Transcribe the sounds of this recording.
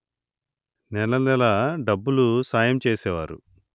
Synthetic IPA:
nɛlɐnɛlɐɖɐbːulusaːjɐmt͡ʃeːsɛːʋaːɾṵ

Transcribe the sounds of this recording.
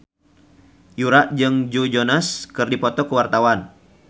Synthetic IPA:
juɾaʔd͡ʒɨŋd͡ʒod͡ʒonaskɨrdipɔt̪ɔkəwart̪awan

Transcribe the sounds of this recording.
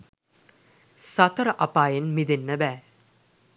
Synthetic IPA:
sat̪əɾəʔapaːjenmid̪enːəbæː

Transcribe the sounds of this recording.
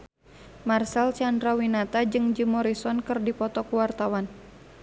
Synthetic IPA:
marsalt͡ʃandɾawinat̪ad͡ʒɨŋd͡ʒɨmɔɾisɔnkɨrdipɔt̪ɔkuwart̪awan

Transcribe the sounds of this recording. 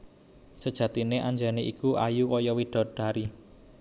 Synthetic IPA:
səd̥ʒ̥ä̤t̪ineʔaɲd͡ʒaneʔikuʔajukɔjɔwiɖ̪̥ɔ̤ɖ̥a̤ɾi

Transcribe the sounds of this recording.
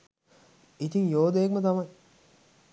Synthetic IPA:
it̪iŋjoːd̪ejːkmət̪ɐmɐj

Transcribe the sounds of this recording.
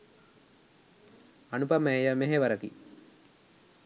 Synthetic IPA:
anupameejameɦeʋɐɾakḭ

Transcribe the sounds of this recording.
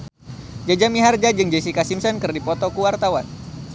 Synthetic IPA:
d͡ʒad͡ʒamiɦard͡ʒad͡ʒɨŋd͡ʒesikasimsɔnkɨrdipɔt̪ɔkuwart̪awan

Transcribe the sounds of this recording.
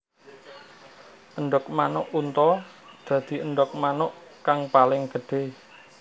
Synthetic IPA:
ʔəɳɖɔk̚manʊʔunt̪ɔ | d̪̥ä̤d̪̥i̤əɳɖɔk̚manʊʔkaŋpalɪŋɡ̥əɖ̥e̤

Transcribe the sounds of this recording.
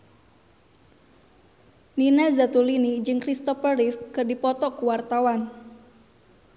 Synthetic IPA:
ninazat̪ulinid͡ʒɨŋkɾist̪ɔfəɾifkɨrdipɔt̪ɔkuwart̪awan

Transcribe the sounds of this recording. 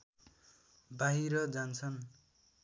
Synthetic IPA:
baɦiɾʌd͡zant͡sʰʌn

